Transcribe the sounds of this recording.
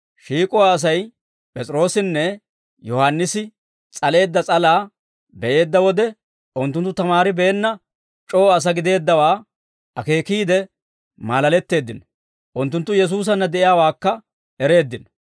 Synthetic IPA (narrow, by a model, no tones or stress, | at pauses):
ʃiːkʼʊwaːs̬ɐj | pʼɛt͡sʼɾo̞ːsɪnːɛ | jɔhanːɪsɪ | t͡sʼɐle̞ːd̪ːɐt͡sʼɐlaː | bɛʔe̞ːd̪ːɐwɔd̪ɛ | ʊnt̪ːʊnt̪ːʊt̪ɐmaːɾɪbɛːnːɐ | t͡ʃʼoːɐs̬ɐɡɪd̪e̞ːd̪ːɐwaː | ɐke̞ːkiːd̪ɛ | maːlɐlɛt̪ːe̞ːd̪ːɪn | ʔʊnt̪̬ːʊnt̪ːʊjɛs̬uːs̬ɐnːɐd̪ɛʔɪjaːwaːkːɐ | ɛɾe̞ːd̪ːɪn